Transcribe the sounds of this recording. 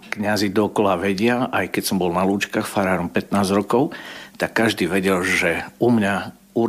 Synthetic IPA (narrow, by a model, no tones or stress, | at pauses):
kɲazid̪ɔːkɔlaʋɛɟɪaʔajkɛcsɔmbɔlnaluːt͡ʃkaːxfaɾaːɾɔmpɛt̪naːzɾɔkɔʊt̪akːaʒd̪iːʋɛɟɛlʒɛumɲa | uɾ